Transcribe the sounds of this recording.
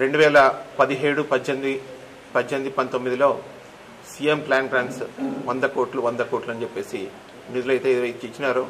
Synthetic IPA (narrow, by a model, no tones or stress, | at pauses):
ɾe̞ɳɖuʋɛːlɐpɐd̪iɦeːɽupɐd͡ʒend̪i | pɐd͡ʒend̪ipɐnt̪o̞mːid̪ilo̞ː | siːjemplaːnɡɾaːnsʋɐnd̪ɐkoːʈluʋɐnd̪ɐkoːɾʈluɐnt͡ʃepːe̞ːsi | nid̪ulɐjt̪e̞ːid̪ɾɐjt̪ut͡ʃit͡ʃːinaːɾu